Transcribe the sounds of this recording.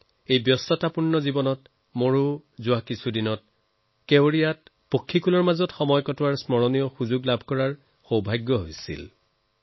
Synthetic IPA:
ejbjɔstɔtapunːɔzibɔnɔt | moɹuzʊwakisʰudinɔt̚ | kewɹijat̚ | pokʰːikulɔɹmazɔtxɔmɔjkɔtwaɹsmɔɹɔnijɔxuzuɡlabʱkɔɹaɹ | xowbʱajɡːɔɦojsḭl

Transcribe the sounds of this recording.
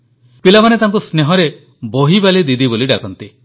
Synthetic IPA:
pilamanet̪aɦŋk̬usneɦɔɾe | boɦibalid̪id̪iboliɖakɔnt̪i

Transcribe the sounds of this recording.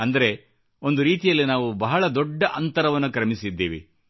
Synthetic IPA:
ɐnd̪ɐɾe̞ | o̞nd̪uɾiːt̪ijɐlːinaːʋubɐɦɐɭɐd̪ɔɖːɐʔɐnt̪ɐɾɐʋɐnːukɐɾɐmisid̪ːeːʋḭ

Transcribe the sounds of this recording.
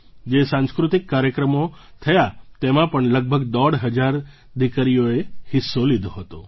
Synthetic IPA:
d͡ʒesãnskɾut̪ikːaɾjəkɾəmot̪ʰəjat̪emãpəɳləɡ̚bʱəɡd̪ɔɽɦəd͡ʒaɾ | d̪ʱikəɾijoehɪsːolid̪ʱoɦət̪o

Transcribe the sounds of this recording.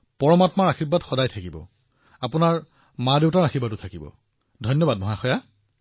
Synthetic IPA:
pɔɹɔmatmaɹaxibːatxɔdajtʰakibɔ̰ | apʊnaɹ | madeʊtaɹaxibatʊtʰakibɔ̰ | dʱɔjnjɔbadmɔɦaxɔja

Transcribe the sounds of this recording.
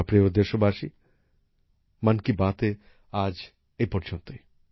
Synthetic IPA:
apɾeod̪eʃobaʃi | mankibat̪e | ad͡ʑ | ejpɔɾd͡ʑont̪oj

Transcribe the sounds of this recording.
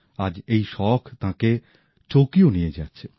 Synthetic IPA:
ad͡ʑejʃɔkʰt̪ãke | t͡ɕokionijed͡ʑatːɕʰe

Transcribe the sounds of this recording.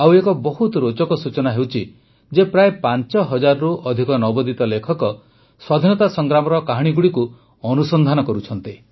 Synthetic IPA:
awekɔbɔɦut̪ɔɾot͡ʃɔkɔsut͡ʃɔnaɦewt͡ʃʰi | d͡ʒepɾaepant͡ʃɔɦɔd͡ʒaɾɔɾuʔɔd̪ʱikɔnɔbɔd̪it̪ɔlekʰɔkɔ | swad̪ʱinɔt̪asɔŋɡɾamɔɾɔkaɦɽ̃iɡuɽiku | ɔnusɔnd̪ʱanɔkɔɾut͡ʃʰɔnt̪i

